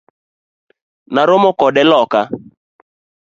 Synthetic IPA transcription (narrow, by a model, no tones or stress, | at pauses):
naɾomɔkɔɗɛlɔka